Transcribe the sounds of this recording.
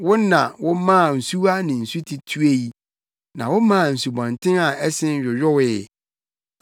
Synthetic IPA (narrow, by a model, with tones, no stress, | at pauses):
wʊ̃˦nã˨wʊ˦mã˦˨n̩˨su˦a˦nɪ̃˨n̩˨su˦tʰi˨tʰu˦e˦ji˨˦ | nã˨wʊ˦mã˦˨n̩˨su˨bɔ̃˨ntʰɪ̃˦a˨ʔɛ˦sɪ̃˦n˦ɥᶣʊ˨ɥᶣʊ˦wɪ˨